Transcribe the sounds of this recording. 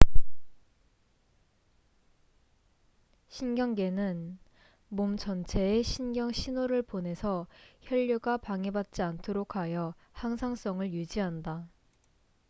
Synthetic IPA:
ɕʰinɡjʌŋɡe̞nɯn | momt͡ɕʌnt͡ɕʰe̞ːɕʰinɡjʌŋɕʰinoɾɯɭpone̞sʰʌçjʌʎːuɡapaŋebat̚t͡ɕ͈iantʰoɾokʰajʌ | haŋsʰaŋs͈ʌŋɯɭjud͡ʑiɦanda

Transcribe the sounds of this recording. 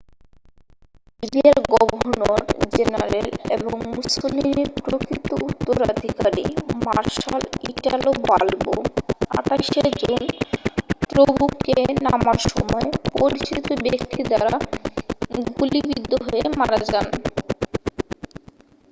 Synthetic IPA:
sibiaɾɡɔbʱonoɾd͡ʑenaɾelḛboŋmusolineɾpɾokʰɾit̪ːout̪ːoɾad̪ʱikaɾḭmaɾʃaliʈalobalɡoa̰ʈaʃed͡ʑon | t̪ɾobukenamaɾʃɔmɔepoɾit͡ɕit̪obekt̪id̪aɾa | ɡulibid̪ʱːoɦoemaɾad͡ʑan

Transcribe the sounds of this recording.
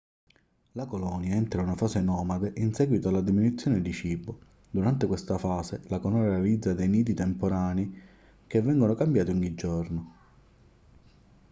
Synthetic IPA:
lakolɔːnjaɛnt̪ɾaunafaːsenɔːmad̪eʔinsɛːɡwit̪oalːad̪iminut̪sːjɔːned̪it͡ʃiːbʊ | d̪uɾant̪ekwest̪afaːselakonoɾalid̪zːad̪ejniːt̪̬it̪empoɾaːni | kevːɛŋɡonokambjaːt̪iuɲːid͡ʒːorno

